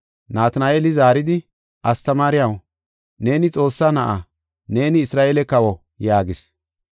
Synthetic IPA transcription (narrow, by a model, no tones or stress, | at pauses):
naːt̪ɐnaːʔeːlɪzaːɾɪd̪ɪ | ʔɐst̪ɐmaːɾɪjɐw | ne̞ːnɪt͡sʼo̞ːsːanɐʔa | ne̞ːnɪːsɾaːʔeːlɛkɐwɔ | jaːɡɪs